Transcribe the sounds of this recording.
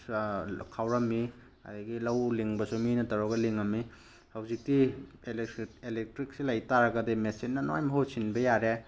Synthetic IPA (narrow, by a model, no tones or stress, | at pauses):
kʰawɾɐmːi | a̰dɐɡilɐwliŋbɐsuminɐtɐɾɔɡɐliŋɐmːi | hɐwzik̚ti | eelek̚tɾik̚silajtaɾɐɡɐdimesinːɐnojmɐɦowsinbɐjaɾe